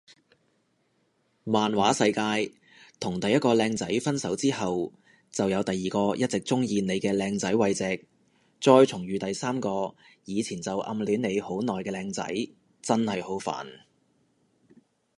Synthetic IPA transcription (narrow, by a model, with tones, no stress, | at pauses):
maː˨nwaː˨˥sɐ˧jkaː˧j | t̪ʰʊ˨˩ŋt̪ɐ˨jɐ˥t̚kɔː˧lɛː˧ŋt͡sɐ˨˥jfɐ˥nsɐ˨˥wt͡siː˥ɦɐ˨w | t͡sɐ˨wjɐ˨˧wt̪ɐ˨jiː˨kɔː˧jɐ˥t̚t͡sɪ˨k̚t͡sʊ˥ŋjiː˧ne˨˧jkɛː˧lɛː˧ŋt͡sɐ˨˥jwɐ˧jt͡sɛː˨˥k̚ | t͡sɔː˧jt͡sʰʊ˨˩ŋjyː˨˧t̪ɐ˨jsaː˥mkɔː˧ | jiː˨˧t͡sʰiː˨˩nt͡sɐ˨wʔɐ̰˧mlyː˨˥ne˨˧jho˨˥wnɔː˨˩jkɛː˧lɛː˧ŋt͡sɐ̰˨˥j | t͡sɐ˥nhɐ˨jho˨˥wfa̰ː˨˩n